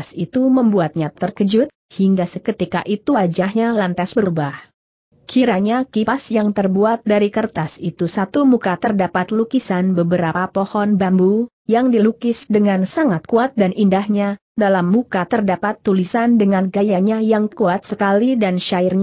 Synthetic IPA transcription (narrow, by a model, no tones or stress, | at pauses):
sit̪uməmbuat̪̚ɲat̪ərkəd͡ʒʊt̪̚hiŋɡasəkət̪ikaʔit̪uwad͡ʒahɲalant̪asbəɾubah | kʰiɾaɲakipasjaŋt̪ərbuat̪̚daɾikərt̪asit̪usat̪umukat̪ərdapat̪lukisanbəbəɾapapohɔnbambu | jaŋdilukɪsdəŋansaŋat̪̚kuat̪̚danʔindahɲa | dalamːukat̪ərdapat̪ːulisandəŋanɡajaɲajaŋkuat̪̚səkalidanʃaɪrɲ